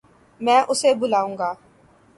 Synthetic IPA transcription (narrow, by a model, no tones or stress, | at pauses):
mɛ̃ːʔʊseːbʊlaːũːŋɡaː